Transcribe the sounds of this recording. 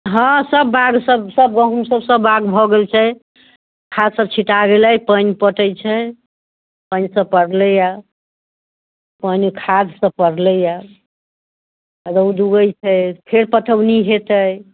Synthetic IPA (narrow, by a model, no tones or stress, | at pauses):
ɦə̃səbːaɡsəbsəb̚ɡə̃ɦumsəbsəbːaɡbʱɔɡelt͡ʃʰɛ | kʰad̪səb̚t͡ʃʰiʈaɡeləjpənpəʈəjt͡ʃʰɛ | pənsə̃pəɽləja | pənkʰad̪sə̃pəɽləja | ɾəwd̪uɡəjt͡ʃʰɛpʰeɾpəʈʰəwniɦet̪əj